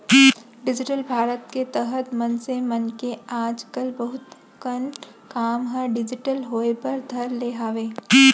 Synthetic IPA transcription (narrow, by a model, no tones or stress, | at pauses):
ɖɪd͡ʒɪʈəlbʱaːɾət̪ket̪ɐɦət̪mɐnsemɐnkeaːd͡ʒkəlbəɦʊt̪ | kən | kaːmɦə̃ɖɪd͡ʒɪʈəlɦoːepɐɾd̪ʱɐɾleːɦaːʋeː